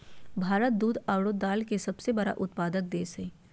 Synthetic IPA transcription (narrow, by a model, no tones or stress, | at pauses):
bʱaːɾət̪̚d̪uːd̪aːwɽoːd̪ːaːlkesɐbsebɐɾa̰ʔʊt̪paːd̪ək̚d̪eːsẽ